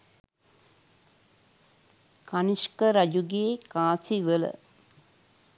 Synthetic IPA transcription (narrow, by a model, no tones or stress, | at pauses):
kaniskəɾɐd͡ʒuɡeːkaːsiʋələ̰